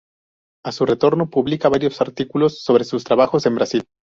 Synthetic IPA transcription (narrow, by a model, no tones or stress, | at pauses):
asure̞t̪o̞ɾno̞puβlikaβaɾjo̞saɾt̪ikulo̞sːo̞βɾe̞sust̪ɾaβaxo̞se̞mbɾasil